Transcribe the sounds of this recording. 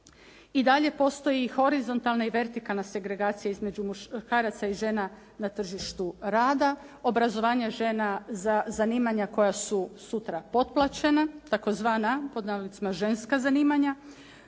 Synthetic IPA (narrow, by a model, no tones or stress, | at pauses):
id̪aʎe̞po̞st̪o̞jiːxo̞ɾizo̞nt̪alˠnaiʋe̞ɾt̪ikalˠnase̞ɡɾe̞ɡaːt̪sijaizme̞d͡ʒumukaːɾat̪saiʒe̞ːna | nat̪r̩ʒiʃt̪uɾaːd̪a | o̞bɾazo̞ʋaːɲaʒe̞ːnazazaniːmaɲako̞jasusut̪ɾapo̞t̪̚plˠat͡ɕe̞nat̪ako̞zʋaːnapo̞d̪naulit̪simaʒe̞nskazaniːmaɲa